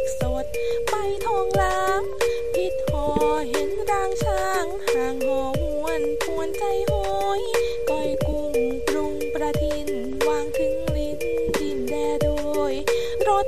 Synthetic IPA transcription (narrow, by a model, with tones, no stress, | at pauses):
so˨˧˩t̪̚ | pa˧jt̪ʰɔː˧ŋla˧m̚ | pʰi˧t̪̚ʰɔː˧˦ɦe˨˧˦nɾaː˧ŋt͡ɕʰaː˧ŋhaː˨˧ŋhɔː˨˩mu˧ənkʰu˧˩ənt͡ɕa˧jho˧j | kɔ˧˩jku˧˩ŋplu˧˩ŋpɾa˧t̪ʰi˧˥n | waː˧˩ŋpʰɯ˧ŋli˧˥n | t̪i˧˩nlɛː˧˩doː˧j | ɾo˧˩t̪̚